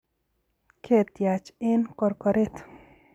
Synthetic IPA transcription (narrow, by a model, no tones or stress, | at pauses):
kʰet̪jat͡ʃɪnkɔɾkɔɾet̪